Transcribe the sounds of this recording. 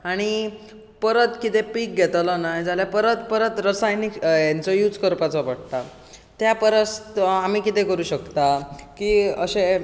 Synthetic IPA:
aɽ̃i | pəɾət̪kit̪epiːk̚ɡʱɛt̪lɔnajd͡zaljapəɾət̪̚pəɾət̪ɾəsajnikjant͡sɔjuːd͡zkəɾpat͡sɔpəɽ̚t̪a | t̪japəɾəst̪amiːkit̪ekəɾuːɕəkt̪akiəɕe

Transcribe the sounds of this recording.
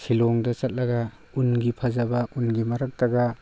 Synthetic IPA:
sʰiloŋdɐt͡ʃɐt̚lɐɡa | unɡipʰɐzɐbɐʔunɡimɐɾɐk̚tɐɡa

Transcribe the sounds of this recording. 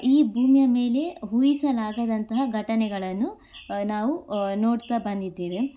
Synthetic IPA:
iːbʱuːmijɐme̞ːle̞ɦuːjisɐlaːɡɐd̪ɐnt̪ɐɦɐɡʱɐʈɐnɛɡɐɭɐnːu | naːʋunoːɽt̪ɐbɐnd̪id̪ːeːʋe

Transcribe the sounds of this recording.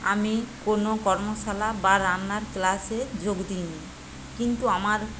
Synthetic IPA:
amikonokɔɾmoʃalabaɾanːaɾklased͡ʑoɡd̪ini | kint̪uamaɾ

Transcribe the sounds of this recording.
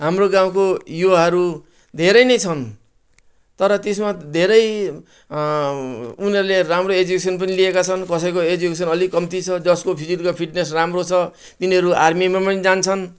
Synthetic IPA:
ɦamroɡãw̃kojoɦʌɾu | d̪ʱeɾʌjnʌjt͡sʰʌn | t̪ʌɾʌt̪esmad̪ʱeɾʌj | unʌɾuleɾamroed͡zukes̬ʌnpʌniliekat͡sʰʌnkʌsʌjkoed͡zukesʌnʌlikʌmt̪it͡sʰʌd͡zʌskopʰid͡zit̪kopʰiʈnesramrot͡sʰʌ | t̪iniɦʌɾuarmimapʌnid͡zant͡sʰʌn

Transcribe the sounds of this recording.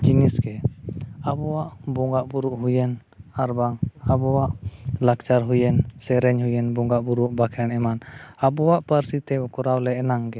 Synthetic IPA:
d͡ʒinisɡɛ | abɔwaʔbɔŋɡaʔbuɾuʔɦujɛn | aɾbaŋabɔwaʔlakt͡ʃaɾɦujɛnsɛɾɛɲɦujɛnbɔŋɡaʔbuɾuʔbakʰɛɳɛmanabɔwaʔpaɾsit̪ɛɔkɔɾawlɛɛnaŋɡɛ

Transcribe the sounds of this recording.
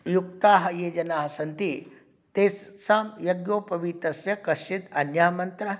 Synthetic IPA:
juk̚t̪aːɦɐjeːd͡ʒɐnaːɦɐsɐnt̪i | t̪eːssaːmjɐɡjoːpɐʋit̪ɐsjɐkɐʃt͡ʃit̪ɐnjaːmɐnt̪ɾɐ

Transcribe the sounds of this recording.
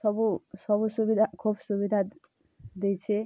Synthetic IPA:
sʌbusʌbusubid̪ʱakʰubsubid̪ʱa | d̪ejt͡ʃʰe

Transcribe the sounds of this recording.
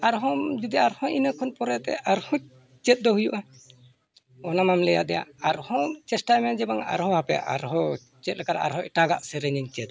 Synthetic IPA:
aɾɦɔd͡ʒud̪iaɾhɔ̃ʔinəkʰɔnpɔɾɛt̪ɛ̰aɾhɔ | t͡ʃɛt̪̚ˀd̪ɔhujuʔa | ɔnamamlɛja̰ʔd̪ɛja̰aɾhɔt͡ʃɛsʈamɛad͡ʒɛbaŋa̰ɾhɔ̃hapɛja̰ʔa̰ɾɦɔ | t͡ʃɛt̪̚lɛkaɾaʔa̰ɾɦɔɛʈaɡa̰ʔsɛɾɛɲiɲt͡ʃɛt̪

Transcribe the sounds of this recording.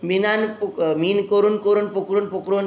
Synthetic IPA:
binanpmiːnkoɾunkoɾunpokɾonpokɾon

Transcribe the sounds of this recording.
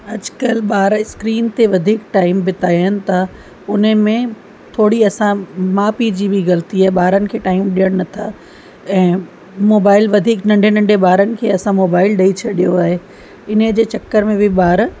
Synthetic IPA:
ɐd͡ʑkəlɓaːɾɪskɾiːnt̪eʋɐd̪ʱiːkʈaːɪmbɪt̪aːənɪ̆t̪ʰa | ʊnəmẽ | t̪ʰoːɽiɐsãmaːpid͡ʑiːbʱɪɣɐlt̪iaːɦeɓaːɾənɪ̆kʰeːʈaːɪmɗijəɽ̃nɐt̪ʰa | ɛ̃ː | moːbaːɪlʋɐd̪ʱiːknɐ̃ɳɖʱenɐ̃ɳɖʱeɓaːɾənɪ̆kʰeːɐsãmoːbaːɪlɗɐit͡ɕʰɐɗijoaːɦe | ɪnəd͡ʑeːt͡ɕɐkːəɾmẽbʱɪɓaːɾ

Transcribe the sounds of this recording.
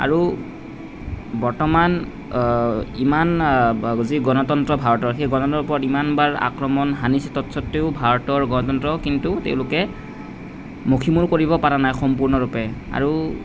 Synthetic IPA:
a̰ɹu | bɔɹtɔman | iman | ziɡɔnɔtɔntɹɔbʱaɹɔtɔɹxejɡɔnɔtɔntɔpɔɹɔtimanbaɹa̰kɹɔmɔnɦanisɛtɔtsɔtːeʊbʱaɹɔtɔɹɡɔnɔtɔntɹɔkintutḛʊ̃lʊkɛ | mokʰimuɹkoɹibɔpaɹanajxɔmpuɹnɔɹupɛa̰ɹu

